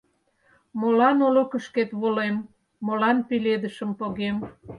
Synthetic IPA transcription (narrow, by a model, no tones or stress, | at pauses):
molɑnolokə̆ʃket̪βolemː | olɑnpiled̪əʃəmpoɣem